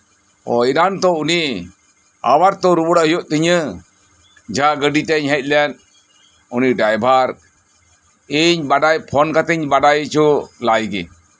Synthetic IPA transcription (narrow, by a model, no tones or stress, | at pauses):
ɔ̰iɾant̪ɔuni | a̰waɾt̪ɔɾubɔɽaɦjɔʔt̪əɲə | d͡ʒaɡəɖitɛɲɦɛc̚ˀlɛn | uniɖajbʱaɾ | iɲbaɖajpʰɔnkat̪ɛɲbaɖajt͡ʃulajɡi